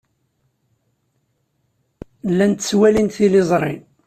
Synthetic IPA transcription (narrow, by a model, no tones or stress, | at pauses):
lːænt̪swælinθilizˤɾˤḭn